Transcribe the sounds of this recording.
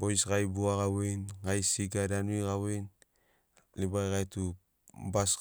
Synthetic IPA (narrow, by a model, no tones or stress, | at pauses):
bojsɡajbuaɡawenɡajsiɡadanuiɡawen | libajɡajtu | bas